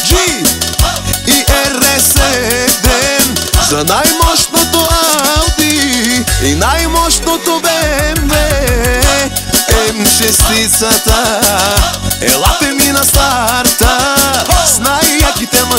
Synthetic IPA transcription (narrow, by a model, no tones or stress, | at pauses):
ʒi | iʔɛɾɛsed̪ezɐnajmɔʃt̪not̪oawd̪i | inajmɔʃt̪not̪obembe | ɛmʃest̪isɐt̪ɐ | ɛ̰lˠat̪eminɐst̪aɾt̪ɐ | snajakit̪ɛmɐ